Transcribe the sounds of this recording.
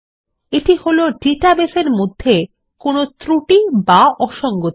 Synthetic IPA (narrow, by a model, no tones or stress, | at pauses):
eʈiholoɖiʈabeseɾmod̪ʱːe | konot̪ɾuʈibaɔʃɔŋɡot̪